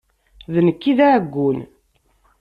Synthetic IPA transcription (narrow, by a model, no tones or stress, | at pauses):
ðnəkːiðaʕəɡʷːun